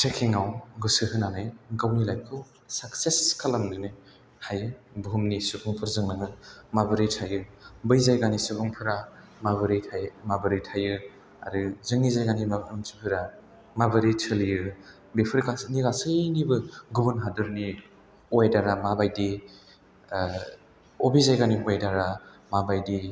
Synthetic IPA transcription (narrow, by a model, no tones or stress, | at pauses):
tʰekʰiŋawɡɯsɯɦɯnanɯjɡawnilajkʰɯw | sakseskʰalamnɯnɯ | hajɯ | bɦumnisupʰɯŋpʰɯɾzɯŋnaŋɯmabɯɾitʰajɯbɯjzajɡanisupʰuŋpʰɯɾa | mabɯɾitʰajmabɯɾijtʰajɯ | a̰ɾɯzɯŋnizajɡanimabɾɯmsɯpʰɯɾa | mabɯɾitʰɯlijɯ | bepʰɯɾkasnikasɯjnibɯɡubɯnɦadɯɾni | ɔjdaɾamabajdi | obizajɡaniɔjdaɾa | mabajdi